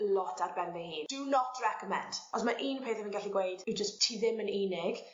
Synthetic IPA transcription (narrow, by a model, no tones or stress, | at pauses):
əlɔtʰarbɛnðɛhiːnd̥unɔtʰrɛkəmɛ̰̃nd̥ɔsmaʔiːnpʰeːθɪmə̃nɡaɬiɡwejd̥ɪwd͡ʒəstʰːiːðɪməniːnɪɡ̥